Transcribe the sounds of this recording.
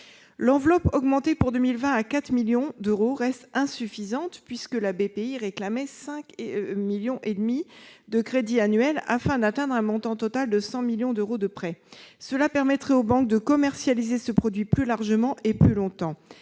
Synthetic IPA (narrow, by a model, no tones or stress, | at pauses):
lɑ̃vlɔpɔɡmɑ̃t̪epuʁd̪əmilvɛ̃akat̪χmiljɔ̃d̪øʁoʁɛst̪ɛ̃syfizɑ̃t̪pɥiskəlabepeiʁeklamɛsɛ̃kmiljɔ̃ʔed̪mid̪əkχed̪ianɥɛla̰fɛ̃d̪at̪ɛ̃d̪ʁɛ̃mɔ̃t̪ɑ̃t̪ɔt̪ald̪əsɑ̃miljɔ̃d̪øʁod̪əpχɛsəlapɛʁmɛt̪χɛobɑ̃k̚d̪əkɔmɛʁsjalizesəpχɔd̪ɥiplylaʁʒəmɑ̃ʔeplylɔ̃t̪ɑ̃